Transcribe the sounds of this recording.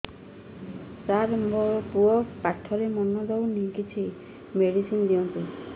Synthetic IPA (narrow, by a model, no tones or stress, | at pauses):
t͡ʃaɾmɔpuɔpaʈʰːɔɾemɔnɔd̪ewnikit͡ʃʰi | meɽisind̪iɔnt̪i